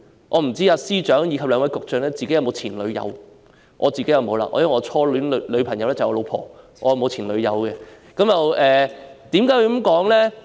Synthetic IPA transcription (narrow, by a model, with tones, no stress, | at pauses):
ʔɔ̰ː˨˧m̩˨˩t͡siː˥aː˧siː˥t͡ʃœː˨˥ŋjiː˧kʰɐ˨p̚lœː˧ŋʋɐ˨˥jkʊ˨k̚t͡ʃœː˨˧ŋlɛː˥t͡si˨ke˧˥jɐ˧wmo˨˧wt͡sʰiː˨˩nlɵ˨˧ɥjɐ̰˨˧w | ʔɔː˨˧t͡siː˨ke˨˥jɐ˨˧wmo˨˧wla̰ː˧ʔɔ̰ː˧jɐ˥wŋɔː˨˧t͡sʰɔː˥ly˨˥n˨lɵ˨˧pʰɐ˨˩ŋjɐ˨˧wlɛː˥t͡sɐ˨jɔ˨˧lo˨˧wpʰɔ̰ː˨˩ | ʔɔː˧jɐ˨˧wmo˧wt͡sʰiː˨˩nlɵ˨˧ɥjɐ̰˨˧wkɛ˧ | kɐ˨˥mjɐ˨wɛː˨t̪iː˨˥mkaː˨˥jwu˧kmkɔː˨˥ŋlɛː˥